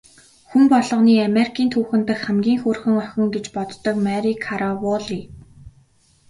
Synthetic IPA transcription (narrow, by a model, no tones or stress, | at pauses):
xumpɔɮɞ̆ʁniːameɾikʰiːnt̪ʰuːxɘ̆nt̪ə̆xχæmɡʲiːŋxʊrxɘ̆ŋœxʲɪ̆ŋɡet͡ɕpɔt̪ːɞ̆kmæɾikʰaɾawɔɮiː